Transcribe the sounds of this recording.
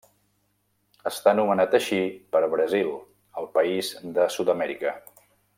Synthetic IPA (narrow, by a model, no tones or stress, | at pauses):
əst̪anumənat̪əʃipəɾβɾəzilˠ | əlˠpəizd̪əsut̪əmɛɾikə